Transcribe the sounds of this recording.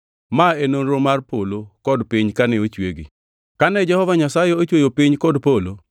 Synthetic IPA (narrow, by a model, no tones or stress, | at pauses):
maenonɾomarpolokɔdpɪɲkanɛot͡ʃweɡḭ | kanɛd͡ʒɛhɔvaɲasajeot͡ʃwejopiɲkɔdpolo